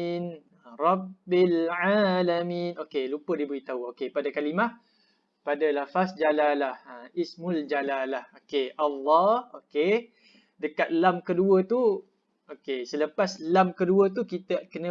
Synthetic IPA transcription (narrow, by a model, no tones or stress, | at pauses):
n | rˤɑbːilʕalaminʔokelupədibəɾit̪auokepadakalima | padalafasd͡ʒalalahaismuld͡ʒalalahokeʔalːɑhoke | dəkat̪̚lamkəduət̪u | okesələpaslamkəduət̪ukit̪əkənə̃